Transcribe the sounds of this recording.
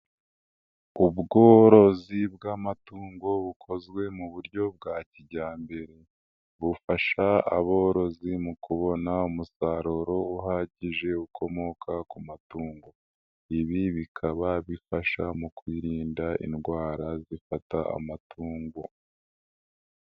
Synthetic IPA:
ubɡo̞ːɾo̞zib̚ɡaːmatuːŋɡo̞βukʰo̞zɡwe̞muβuɾɟo̞b̚ɡaːciɟaːmbe̞ɾe | βufaʃaa̰βo̞ɾo̞zimukuβo̞naumusaɾoɾo̞uɦaːɟiʒe̞ukʰo̞mo̞kʰakumatuːŋɡo̞ | iβiβikʰaβaβifaʃamukwiːɾiːndaḭnɡwaːɾazifataa̰matʰuːŋɡo̞

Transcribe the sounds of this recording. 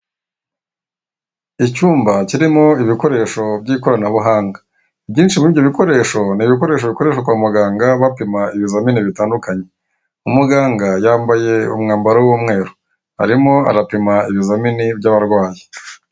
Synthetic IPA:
icuːmbaciɾimo̞iβiko̞ɾe̞ːʃo̞bɟiːkoɾanaβuɦaːŋɡḁ | ibɟiːnʃimujoβiko̞ɾe̞ːʃo̞niβik̬o̞ɾe̞ːʃ̬oβiko̞ɾe̞ːʃokwaːmuɡaːŋɡaβapimaiβizaminiβitaːndukaɲe̞ | umuɡaːŋɡajaːmbaje̞ṵmŋaːmbaɾawuːmŋe̞ːɾo | ha̰ɾimo̞a̰ɾapimaiβizaminibɟaβaɾɡwaːje

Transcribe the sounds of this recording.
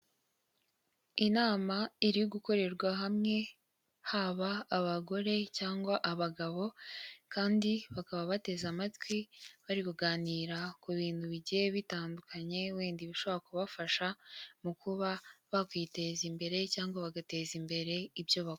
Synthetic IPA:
inaːmaiɾijoɡuko̞ɾe̞ɾɡwaɦamŋe̞ | haβaːβaɡo̞ɾe̞caːŋɡwaʔaβaɡaβo̞kaːndiβakaβaβate̞zamatwiβaɾikuɡaːniːɾakuβiːn̥huβiɟjeβitaːndukaɲe̞wiːndiβiʃo̞βaɾakuβafaʃamukuβaβakwiːte̞zimbe̞ɾe̞caːŋɡwaβaɡate̞ːzimbe̞ɾe̞ibjo̞βa

